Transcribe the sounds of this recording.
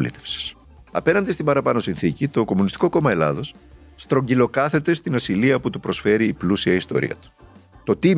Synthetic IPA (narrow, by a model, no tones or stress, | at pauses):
lḭt̪efsi̥s | ɐ̰pe̞nɐnd̪ist̪imbɐɾɐpɐno̞sinθicit̪o̞ko̞munist̪iko̞ko̞mɐe̞lɐ̰ðo̞sst̪ɾo̞ɲɟilo̞kɐθe̞t̪e̞st̪inɐsiliɐput̪upɾo̞sfe̞ɾiːplusiɐist̪o̞̰ɾḭɐ̰t̪u̥t̪o̞t̪i